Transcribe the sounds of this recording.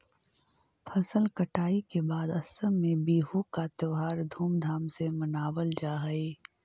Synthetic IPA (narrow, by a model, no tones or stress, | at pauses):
pʰɐsəlkɐʈaːikebaːd̪ɐsəmːẽbiːɦukat̪eʋɦaːɾd̪ʱuːmd̪ʱaːmsemɐnaːwəld͡ʒaːɦɐeː